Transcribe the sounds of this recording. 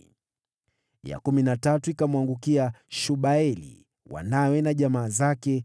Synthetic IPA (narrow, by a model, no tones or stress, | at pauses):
ja̰kuminatatuikamwaŋɡukiaʃuɓaɛlḭ | wa̰nawɛnaʄamaːzakɛ